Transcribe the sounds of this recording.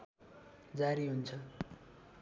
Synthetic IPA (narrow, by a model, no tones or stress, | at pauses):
d͡zaɾiɦunt͡sʰʌ